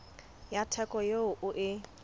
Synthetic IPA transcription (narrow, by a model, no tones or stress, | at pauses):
jatʰɛkʼɔjeʊʔʊʔɪ